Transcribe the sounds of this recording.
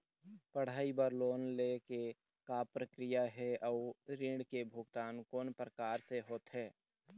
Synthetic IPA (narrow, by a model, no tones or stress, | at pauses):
pəɽ̤aːibəɾloːnleke | kapɾəkɾɪjaɦɛɔːɾɪ̃ɳɖkebʱʊɡt̪aːnkoːnpɾəkaːɾseɦoːt̪ɦɛː